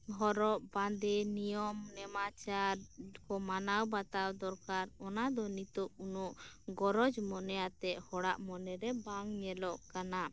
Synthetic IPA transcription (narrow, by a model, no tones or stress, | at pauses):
ɦɔɾɔʔbãnd̪ɛnijɔmnɛmat͡ʃaɾkɔmanawbat̪awd̪ɔɾkaɾɔnad̪ɔnit̪ɔʔunɔʔɡɔɾɔd͡ʒmɔnɛjat̪ɛʔhɔɽaʔmɔnɛɾɛbaŋɲɛlɔʔkana